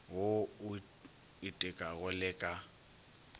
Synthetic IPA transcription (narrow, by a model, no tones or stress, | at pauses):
ɣoʊ | itʼɪkʼaɣʊlɪkʼa